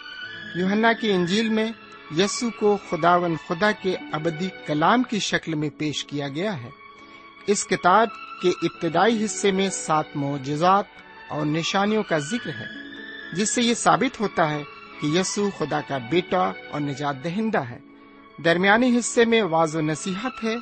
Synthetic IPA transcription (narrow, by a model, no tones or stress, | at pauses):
juːɦənːakiɪ̃ɲd͡ʒiːlmẽ | jisukoxʊd̪aːʋə̃nd̪xʊd̪akeɐbəd̪ikɐlaːmkiʃɐklmẽpeːʃkijaɡɐjaɦɛː | ɪskɪt̪aːb̚keʔɪb̚t̪ɪd̪aːiɦɪsːemẽsaːt̪ʰmɔːd͡ʒɪzaːt̪̚ | ɔːɾnɪʃaːnijõkazɪkɾɦɛ̰ːd͡ʒɪsːejesa̰ːbɪt̪ɦoːt̪aɦɛkijɐːsuxʊd̪akabeːʈaɔ̰ːɾnɐd͡ʒaːt̪̚d̪ɐɦɪ̃nd̪aɦɛ̰ː | d̪ɐɾmijaːniɦɪsːemẽʋaːzonɐsiːɦət̪ɦɛː